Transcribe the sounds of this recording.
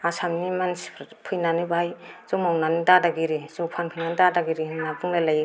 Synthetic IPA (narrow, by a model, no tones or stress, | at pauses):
asamnimansi̥pʰɯjnanibajz̥ɔmawnanidadaɡiɾizɔpʰankʰiŋandadaɡiɾinabɯŋlalaj